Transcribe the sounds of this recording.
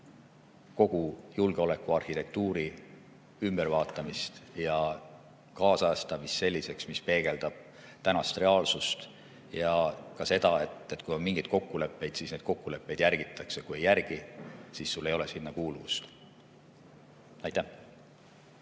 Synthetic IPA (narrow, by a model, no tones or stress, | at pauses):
ko̞ɡ̥ujulɡ̥eo̞le̞kːˑuɑrhit̪e̞k̚t̪uːɾi | ymb̥e̞ɾvɑːt̪ːˑɑmist̪jɑ | kɑːsɑst̪ɑmist̪se̞lʲːise̞ksmispe̞ːɡ̥e̞ld̪̥ɑb̥̚ | t̪ænɑst̪re̞ɑːlsust̪ | jɑkɑse̞d̪̥ɑet̪ːet̪ːˑkujo̞nmiŋɡ̥ijt̪̚ko̞kːule̞pːˑe̞jd̪̥siːsne̞d̪̥̚ko̞kːule̞pːˑe̞jd̪jæɾɡ̥it̪ːˑɑksekuje̞jːærɡ̥isiːsːulːe̞jo̞lesinːɑkuːluvust̪ | ɑjt̪ːæh